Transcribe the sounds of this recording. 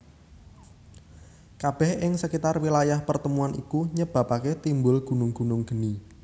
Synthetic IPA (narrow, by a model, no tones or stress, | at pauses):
kab̥ɛhɪŋsəkit̪arwilajahpərt̪əmuanikuɲəb̥a̤paket̪imbʊlɡ̥ṳnʊŋɡ̥ṳnʊŋɡ̥ə̤ni